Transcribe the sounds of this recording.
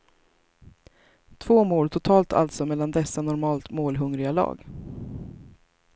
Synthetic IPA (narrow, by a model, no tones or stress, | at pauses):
t̪ʰvoːmoːlʈʰʊt̪ʰɑːlt̪ʰa̰lt̪sɔmɛlːand̪ɛsːanɔɾmɑːlt̪moːlɦɵŋɾɪɡalɑ̰ːɡ